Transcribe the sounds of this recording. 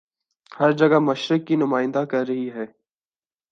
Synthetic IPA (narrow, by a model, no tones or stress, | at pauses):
hɐɾd͡ʒɐɡamɐʃɾɪkːinʊmaːɪ̃nd̪akɐɾːɐɦiɦɛː